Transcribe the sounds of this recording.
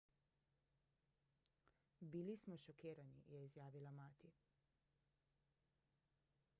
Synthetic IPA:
bilismɔʃɔkeːɾanḭjɛizjaːʋilamaːt̪i

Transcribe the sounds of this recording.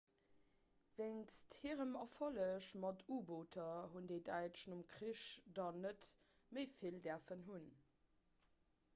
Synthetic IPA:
veŋsthiːʁəmɑfɑləʃmɑtʰuːboːtʰɐɦundeɪdæɪʃnumkχiʃdɑnət | məɪfildɛɐfənɦun

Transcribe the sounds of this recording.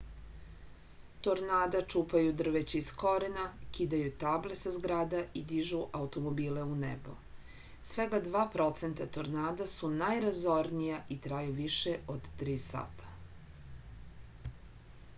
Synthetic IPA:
t̪oɾnaːd̪at͡ʂuːpajud̪r̩ʋet͡ɕiisko̞ɾenakid̪ajut̪aːble̞sazɡɾaːd̪aʔid̪iʒuʔaut̪o̞mobiːleunḛbo̞̰ | sʋeɡad̪ʋaːpɾo̞t̪se̞nt̪at̪oɾnaːd̪asunajɾazo̞ɾnijaʔit̪ɾaːjuʋiʃeod̪t̪ɾiːsa̰ːt̪ḁ

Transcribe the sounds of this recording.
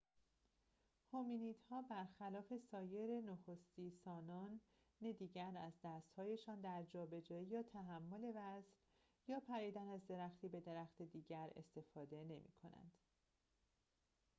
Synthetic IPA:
hominiːd̪̥hɒːbæɾxælɒːfe̞sɒːje̞ɾenoxost̪iːsɒːnɒːnː | ed̪iːɟæɾæzd̪æst̪hɒːje̞ʃɒːnd̪æɾd͡ʒɒːbe̞d͡ʒɒːijɒːt̪ʰæɦæmːo̞le̞væsɾ | jɒːpʰæɾiːd̪ænæzd̪e̞ɾæxt̪ʰiːbe̞d̪e̞ɾæxt̪e̞d̪iːɟæɾe̞̰st̪e̞fɒːd̪e̞ne̞mḭːkʰo̞næ̰nd̪̥

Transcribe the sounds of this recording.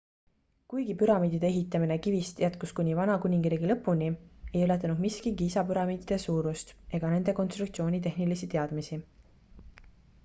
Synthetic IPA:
kujɡipyɾɑmiːd̪̥id̪e̞eɦit̪ːˑɑmine̞kivist̪jæt̪kuskunʲivɑnɑkunʲiŋɡɾiːɡilɤpːˑunʲie̞jøle̞t̪ːˑɑnud̪miskiɡiisɑpyɾɑmiːd̪̥id̪̥e̞suːɾust̪e̞ɡ̥ɑne̞nd̪e̞ko̞nst̪ɾukt̪sio̞ːnʲit̪̬e̞hnilisit̪e̞ɑd̪̥misi

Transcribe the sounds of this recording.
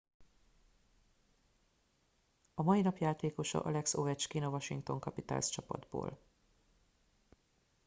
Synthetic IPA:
ɒmɒinɒpjaːt̪eːko̞ʃɒ̰ʔɒlɛksovɛt͡ʃkinovɒʃiŋkt̪o̞ŋkɒpit̪a̰ːlst͡ʃɒpɒ̰d̪bo̰ːl

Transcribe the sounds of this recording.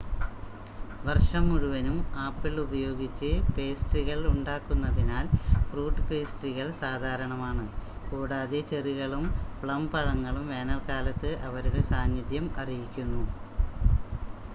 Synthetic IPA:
ʋɐrʂɐmːuɻuʋɐnumaːpːiɭubɐjo̞ːɡit͡ɕːɨpe̞ːsʈriɣɐɭuɳɖaːkːunːɐðinaːlfruːʈːɨpeːsʈriɣɐɭsaːd̪ʱaːɾɐɳɐmaːɳɨkuːɽaːðet͡ɕeriɣɐɭumpɭɐmpɐɻɐŋːɐɭumʋeːnɐlkaːlɐt̪ːɨʔɐʋɐɾuɽesaːnjɐðjɐmɐrijikʲːunːu

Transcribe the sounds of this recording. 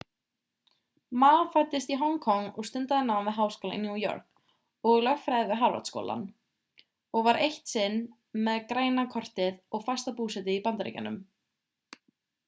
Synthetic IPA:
maːwfajt̪ːɪst̪iɦɔŋkʰɔŋːɔɣst̪ʏnt̪aðɪnawnmvɪðɦawskowlaɪ̰nːjuːjɔ̰ɾ̥k | ɔɣlœɣfɾajðɪvɪɦaɾva̰t̪sko̰wlʔa̰n | ɔɣvaɾejht̪sɪn | mɛðkɾaːjnakʰɔr̥t̪ɪðɔɣfḁst̪apuːsɛt̪ɪipant̪ɾḛjca̰nʏ̰m

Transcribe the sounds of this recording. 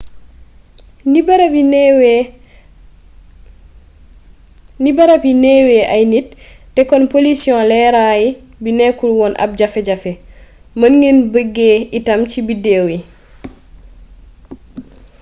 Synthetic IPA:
nibaɾiw | nibɐɾapineːweːʔajnit̚ː | ɛkɔnpolisiɔ̃lɛɾaji | binɛkulwɔnʔa̰b̚ɟafɛɟafɛ | mɐnŋenbəɡːeitɐmcibidewi

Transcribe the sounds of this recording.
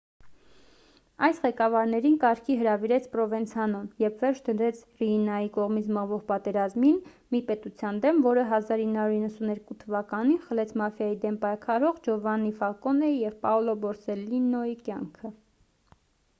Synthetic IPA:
ɑjsʁɛkɑvɑɾnɛɾinkɑɾkʰiɦəɾɑviɾɛt͡sʰpɾɔvɛnt͡sʰɑnɔmjɛvʰvɛɾt͡ʃʰd̪əɾɛt͡sʰrinɑjikɔʁmit͡sʰməʁvɔʁpɑt̪ɛɾɑzmin | mipɛt̪ut͡sʰjɑnd̪ɛmvɔɾəɦɑzɑɾinːhɑɾuɾinːəsunɛɾkut̪ʰəvɑkɑninχəlɛt͡sʰmɑfjɑjid̪ɛmpɑjkʰɑɾɔʁd͡ʒɔvɑnːifɑkɔnɛjɛvpɑɔlɔbɔɾsɛlːinɔikjɑŋkʰə

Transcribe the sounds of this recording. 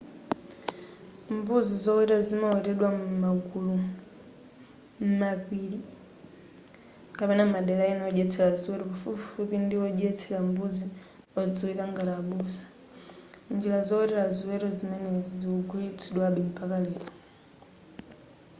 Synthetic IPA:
mbuzizɔwitazimawɛtɛɗwammaɡulu | m̩mapiːli | kapɛnamaɗɛlainɔʄɛt͡sʰɛlaziwɛɾɔpafupfupindiɔʄɛt͡sʰɛlambuzi | ɔd͡zɔitaŋɡaɾaɓusḁ | nd͡ʒilazɔwɛtɛlaziwɛɾɔzimɛnɛzid͡ziɔɡuit͡sʰiɗwaɓɛm̩pʰakalɛːɾɔ

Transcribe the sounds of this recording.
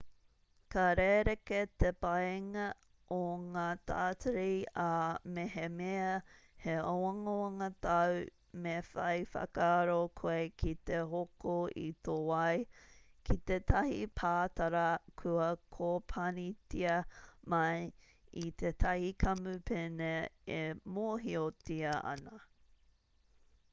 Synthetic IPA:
kɐɾeɾeket̪epɐjŋɐ | oŋaːt̪ʰa̰ːtəɾiameɦemeɐ | heowɐŋoɐŋɐt̪ɐw | mefɐjfɐ̰kaɾokʰoekʰit̪eɦokoḭt̪owɐjkʰit̪et̪ʰɐhipʰaːt̪ɐɾɐkʰɐkʰopʰɐnitiɐmɐj | it̪ʰet̪ʰɐhikʰɐmʉpʰeneemoɦiotiɐʔɐ̰nɐ

